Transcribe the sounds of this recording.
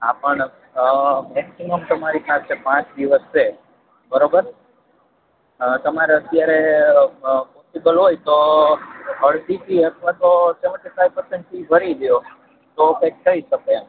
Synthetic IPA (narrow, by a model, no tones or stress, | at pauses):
apəɳ | mɛksiməmt̪əmaɾipast͡ʃʰepãt͡ʃd̪iʋəse | bəɾobəɾ | t̪əmaɾeət̪jaɾe | posibəlɦojt̪o | əɭd̪iʈʰiət̪ʰʋat̪ot͡ʃeməʈefajpəɾsɛ̃ɳʈpibʱəɾiɡəjo | t̪okɛk̚t̪ʰəiʃəke